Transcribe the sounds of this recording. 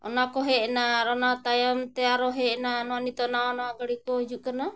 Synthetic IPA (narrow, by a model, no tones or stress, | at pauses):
ɔ̰nakɔɦɛʔnaɾɔnat̪ajɔmt̪ɛaɾɔɦɛʔnanɔanit̪ɔnaɔnɔaɡaɽikɔid͡ʒuʔkana